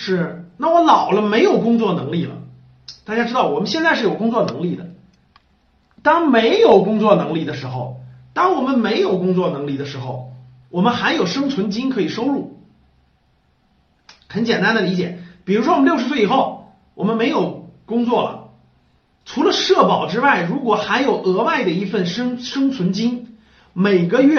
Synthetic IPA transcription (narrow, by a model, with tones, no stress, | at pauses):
ʂɻ̩˥˩na˥˩wɔ˧˥lɑ˨˩ʊlə˦me˧˥ɪjo˨˩ʊkʊ˥ŋt͡swɔ˥˩nɤ˧˥ŋli˥˩lə̰˩ | t̪a˥˩t͡ɕja˥ʈ͡ʂɻ̩˥d̪ɑ˥˩ʊwɔ˨˩mə˦nɕjɛ˥˧nt͡sa˥˧ɪʂɻ̩˥˩jo˨˩ʊkʊ˥ŋt͡swɔ˥˩nɤ˧˥ŋli˥˩d̪ə̰˩ | t̪ɑ˥ŋme˧˥ɪjo˨˩ʊkʊ˥ŋt͡swɔ˥˩nɤ˧˥ŋli˥˩d̪ə˩ʂ̬ɻ̩˧˥xo̰˧ʊt̪ɑ˥ŋwɔ˨˩mə˦nme˧˥ɪjo˨˩ʊkʊ˥ŋt͡swɔ˥˩nɤ˧˥ŋli˥˩d̪ə˩ʂɻ̩˧˥xo˥˧ʊ | wɔ˨˩mə˦nxa˧˥njo˨˩ʊʂɤ˥ŋt͡sʰwə˧˥nt͡ɕi˥nkʰɤ˧˥i˨˩ʂo˥ʊɻu˥˩ | xə˧˥nt͡ɕjɛ˨˩nt̪a˥nd̪ə˨li˧˥t͡ɕjɛ̰˨˩˦pi˨˩ɻu˧˥ʂwɔ˥wm˧˦ljo˥˧ʊʂɻ̩˧˥swe˥˩ɪi˨˩xo˥˩ʊ | wʔɔ˨˩mə˦nme˧˥ɪjo˨˩ʊkʊ˥ŋt͡swɔ˥˩lə̰˨˩ | ʈ͡ʂʰu˧˥lə˧ʂɤ˥˩pɑ˨˩ʊʈ͡ʂɻ̩˥wa˥˩ɪɻu˧˥kwɔ˨˩xa˧˥ɪjo˨˩ʊʔɤ˧˥wa˥˩ɪd̪ə˩i˧˥fə˥˩nʂŋʂɤ˥ŋt͡sʰwə˧˥nt͡ɕi˥ŋ | me˨˩ɪɡə˧ɥɛ˥˧